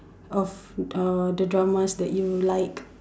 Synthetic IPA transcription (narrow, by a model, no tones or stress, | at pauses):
ɔfadədɹamasdɛʔjulaɪk